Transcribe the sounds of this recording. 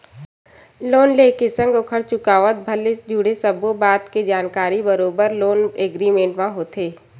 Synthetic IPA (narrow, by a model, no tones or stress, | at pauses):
loːnleːkesə̃ŋɡokʰəɽt͡ʃʊkaːʋət̪̚bʱɐld͡ʒʱuːɽ̤esəbobaːd̪ked͡ʒaːnkaːɾibəɾoːbəɾloːneːɡɾimẽːʈmãɦoːt̪ʰeː